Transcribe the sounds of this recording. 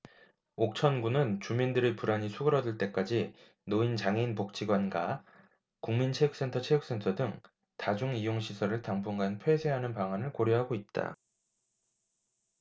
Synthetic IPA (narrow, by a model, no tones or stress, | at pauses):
ok̚t͡ɕʰʌnɡunɯnt͡ɕumindɯɾepuɾaɲisʰuɡɯɾʌdɯɭt͈e̞k͈ad͡ʑi | noint͡ɕaŋeinpok̚t͡ɕ͈iɡwanɡa | kuŋmint͡ɕʰe̞juk̚s͈e̞ntʰʌt͡ɕʰejuk̚s͈e̞ntʰʌdɯŋ | tad͡ʑuŋijoŋɕʰisʰʌɾɯɭtaŋbuŋɡanpʰwe̞sʰe̞ɦanɯnpaŋanɯɭkoɾjʌɦaɡoit̚t͈a̰